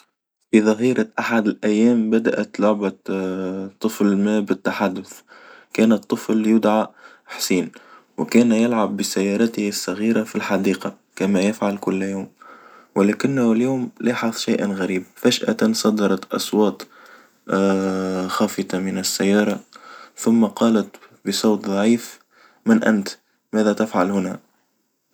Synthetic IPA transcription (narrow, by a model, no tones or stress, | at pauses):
fiðˤɑɦiːɾaʔaħad̪ɪlʔæjːæːmbad̪aʔæt̪lʊʕba | t̪ˤːɨflmæbɪt̪ːaħad̪ːʊθkæːnət̪ˤːɨfljʊd̪ʕa | ħsiːnwɪkæːnjɪlʕabːɪsajːɑːɾˤɑt̪hɪsːɑɣiːɾafilħɑd̪iːqɑ | kæmæjɪfʕalkʊlːjuːmwɪlæːkɪnːhɪljuːmlʔeːħɑðˤʃajʔnɣæɾiːb̚fæʃʔæ̰t̪ansˤɑd̪ɑɾˤɑt̪ʔɑ̰sˤwɑːt̪ˤ | xɑːfɨt̪ɑmɪnɪsːajːɑːɾˤɑθʊmːaqɑːlat̪ | bəsˤɑwt̪ðˤɑʕiːf | mɪnʔæ̰nt̪ | mæːðæt̪ɪfʕalhʊnæ̰